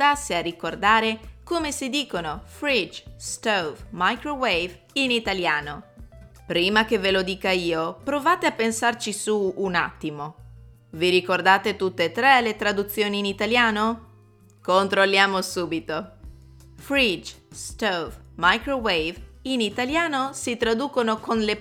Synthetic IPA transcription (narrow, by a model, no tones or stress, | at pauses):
asːearːikord̪aːɾekomesid̪iːkonofɾid͡ʒst̪ovmajkɾowejv | init̪aljaːno | pɾiːmakevelod̪iːkaiːopɾovaːt̪eapːensart͡ʃisuːna̰t̪ːimo | viɾikord̪aːt̪et̪ut̪ːeːt̪ːɾɛlet̪ɾad̪ut̪sːjoːniːnit̪aljaːno | kont̪ɾolːjaːmosuːbit̪o | fɾid͡ʒst̪ovmajkɾowejvinit̪aljaːnosit̪ɾad̪uːkonokonle